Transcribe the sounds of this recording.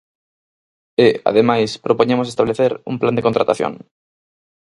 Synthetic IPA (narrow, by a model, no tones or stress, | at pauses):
ea̰ðemajspɾopoɲẽmosest̪aβleθeɾṵmpland̪ekont̪ɾat̪aθjo̰ŋ